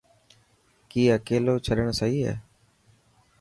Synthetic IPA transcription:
kiːəkeːloːt͡ʃʰəɗəɳ̃səɦiːɦɛ̰ː

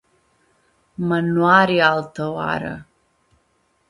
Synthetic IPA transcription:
manuwaɾialtʰowa̰ɾa̰

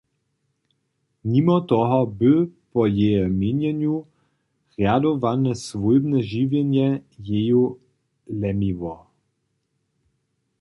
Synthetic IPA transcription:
ɲimɔt̪ɔɦɔbɘpɔjejɛmʲiɲjɛɲu | ɣjad̪ɔvanɛsvujbnɛʒivjɛnjɛjeju | lɛmivɔ

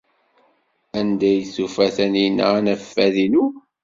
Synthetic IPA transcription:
ænd̪æjθufæθænina̰næfːæðinu

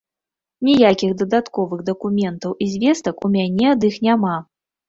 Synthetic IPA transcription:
nʲijakʲiɣd̪ɐd̪at̪kɔvɨɣd̪ɐkumʲɛnt̪ɐwʔizʲvʲɛst̪ɐkumʲanʲɛɐd̪ixnʲama

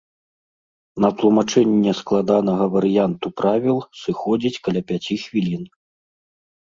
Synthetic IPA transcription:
nɐt̪lˠumat͡ʂɛnʲːɛsklˠad̪anɐɣɐvɐɾɨjant̪upɾavʲilˠsɨxɔd͡zʲit͡sʲkɐlʲapʲat͡sʲixvʲilʲin

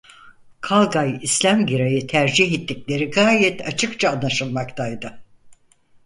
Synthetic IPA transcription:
kʰalˠɡajislʲæmɟiɾajɯt̪ʰæɾd͡ʒiɦet̪ːiclʲe̞ɾiɡaːjɛt̪ʰat͡ʃʰɯkt͡ʃʰaːnːaʃɯlˠmakt̪ʰajd̪ɯ

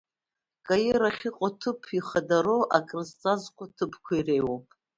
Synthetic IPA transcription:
kʼajiɾaχʲiqʼotʰɨpʰiχadaɾoʔakʼrɨzt͡sʼazqʷʼatʰɨpʰkʷʰairejwopʼ

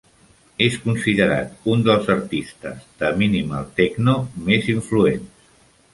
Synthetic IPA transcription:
eskunsiðəɾa̰t̪und̪əlˠzəɾt̪ist̪ə̰zd̪əminimə̰lˠt̪ɛɡnomeziɱfluens

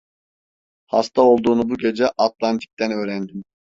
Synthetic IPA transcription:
hast̪ao̞lˠd̪uːnubuɟe̞d͡ʒɛʔat̪lˠant̪ʰi̥k̚t̪ʰænø̞ːɾænd̪im

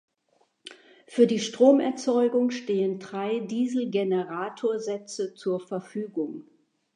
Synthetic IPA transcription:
fyːɐdiːʃtʁ̥oːmɛɐt͡sɔʏɡʊŋʃteːəndʁaɪdiːzl̩ɡenəʁaːtʰoːɐzɛt͡sət͡suːɐfɛɐfyːɡʊŋ

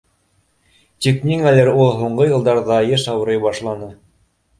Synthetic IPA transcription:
t̪ʲiknʲiŋælæɾulˠɦuɴɢɤjɤ̆lˠd̪ɑɾðɑjɘʃɑwɤ̆ɾɤjbɑʃlˠɑnɤ

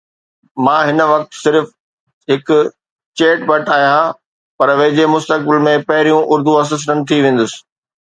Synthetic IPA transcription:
mãːɦɪnəʋɐk̚t̪sɪɾf | ɦɪkʊ̆ | t͡ɕeːʈbɐʈaːɦijã | pɐɾʋɐ̃ɦɪd͡ʑemʊst̪ək̚bɪlmẽpɐɦɪɾijũʔʊɾd̪uɐs̬əs̬ɾənɪ̆t̪ʰiʋẽːn̆d̪ʊsɪ̥̆

